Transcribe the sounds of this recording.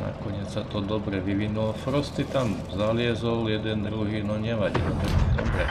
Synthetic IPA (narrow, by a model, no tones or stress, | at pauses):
na̰kɔɲɪɛt͡ssat̪ɔd̪ɔbɾɛʋiʋinulɔfɾɔst̪it̪am | zalɪɛzɔljɛd̪ɛnd̪ɾuɦiːnɔɲɛʋaɟḭlt̪ɛd̪ɔbɾɛ